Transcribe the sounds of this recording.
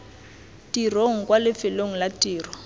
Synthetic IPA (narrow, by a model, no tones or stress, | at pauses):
tiroŋ̩kwalɪfɪloŋ̩latiːrɔ